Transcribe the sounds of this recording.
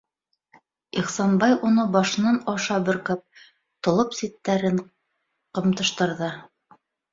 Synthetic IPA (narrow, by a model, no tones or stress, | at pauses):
iχsɑnbɑjunɤbɑʃɤ̆nɑnɑʃɑbɘ̆ɾkɘp̚ | t̪ŏlˠɤpsit̪ːæɾɘn | qɤ̆mt̪ɤ̆ʃt̪ɤ̆ɾðɤ